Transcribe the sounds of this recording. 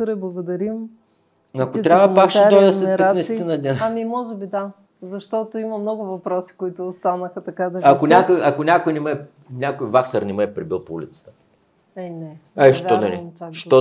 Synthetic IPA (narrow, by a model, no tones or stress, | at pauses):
ɾɛblˠɐɡʊd̪ɐɾim | sɐkot̪ɾavɐpakʃɛt̪ɔjd̪ɐsɛɛɾanɐist̪inɐd̪nʲinamimɔʒɛbid̪a | zɐʃt̪ɔt̪oimɐmnɔɡʊvɐpɾɔsi̥koit̪ʊːst̪anəxɐt̪ɐkad̪ɐakonʲakojɐkonʲakojnɛməɛ | nʲakojvaksɐɾnʲɛməɛpɾibilˠpoṵlḭt̪sə̥t̪ə̥ | ɛnɛaiʃt̪ɔd̪ɐlḭʃt̪ɔ